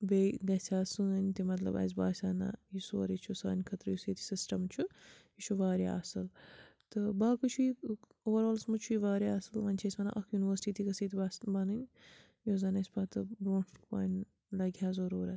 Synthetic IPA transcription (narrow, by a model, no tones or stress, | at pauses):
beɡɐsʰʲaːsɨːɐnʲt̪imɐt̪lɐ̰bɐ̰zʲbaːsʲaːna̰jiso̰ːɾit͡ʃʰusa̰ːnʲkʰɐt̪ɾɨjisiːt̪ʰʲi̥sisʈɐmt͡ʃʰujit͡ʃʰuʋaːɾja̰ʔɐ̰sɨlt̪ɨbaːkɨt͡ʃʰui | oːʋɐɾoːlsmut͡ʃʰuiʋaːɾjaɐsɨlʋɐnʲt͡ʃʰɐsʲmɐna̰ʔɐkʰjuniʋəɾsʈiːt̪ikɐsiːt̪ʰibasbɐnɨnʲ | joːzɐnɐsʲbɐːt̪ɨbɾoːɳpa̰ːn | lɐɡʲjaːzɐɾuːɾɐt̪